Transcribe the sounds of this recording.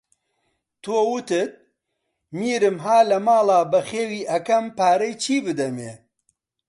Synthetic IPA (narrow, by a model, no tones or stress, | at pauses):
t̪ʰoːwut̪ɨt̪̚ | miːɾɨmɦaːlɐmaːlaːbɐxeːwiːʔɐkɐmpaːɾɐjt͡ʃʰiːbɨd̪ɐmeː